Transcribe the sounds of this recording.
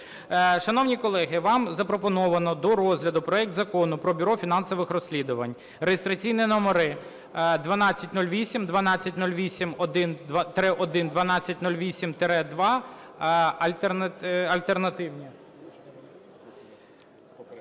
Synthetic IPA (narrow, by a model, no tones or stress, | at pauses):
ʃɐn̪ɔwnʲikɔlˠɛɦɪʋɑmzɐpɾɔpɔnɔʋɐnɔd̪ɔɾɔzʲlʲɐd̪ʊpɾɔɛk̚t̪zɐkɔnʊpɾɔbʲʊɾɔfʲinɑnsɔʋɪxrɔsʲlʲid̪ʊʋɐ̰nʲ | rejest̪ɾɐt͡sʲijnʲinɔmɔɾɪ | d̪ʋɐnɑt͡sʲɐtʲnulʲʋʲisʲimd̪ʋɐnɑt͡sʲːɐtʲnulʲʋʲisʲimɔd̪ɪnt̪ɾɛʔɔd̪ɪnd̪ʋɐnɑt͡sʲːɐtʲnulʲʋʲisʲimt̪eɾɛd̪ʋɑ | ɐlʲt̪enɐlʲt̪ernɐt̪ɪwnʲi